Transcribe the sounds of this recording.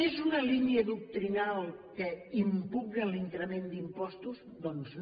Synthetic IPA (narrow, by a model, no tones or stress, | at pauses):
ezunəliniəðuk̚t̪ɾinalˠkəimpuɣɾəliŋkɾəmend̪impɔst̪uz | d̪ɔnz